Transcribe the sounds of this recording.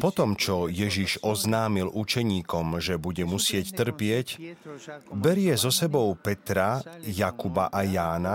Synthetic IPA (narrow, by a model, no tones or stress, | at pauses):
pɔt̪ɔmt͡ʃɔjɛʒiʒɔznaːmilʔut͡ʃɛɲiːkɔmʒɛbuɟɛmusɪɛct̪r̩pɪɛc | bɛɾɪɛzɔsɛbɔʊpɛt̪ɾajakuba̰ʔajaːna